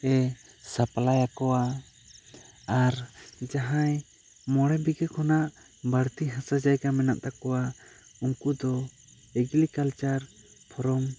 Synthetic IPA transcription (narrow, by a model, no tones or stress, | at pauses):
ɛ | sapalajakɔwa | aɾd͡ʒaɦãj | mɔɽɛbiɡɛkɔnaʔ | baɽt̪iɦãsad͡ʒajɡamɛna̰ʔt̪akɔwa | uŋkud̪ɔ | ɛɡilikalt͡ʃaɾ | pʰɔɾɔm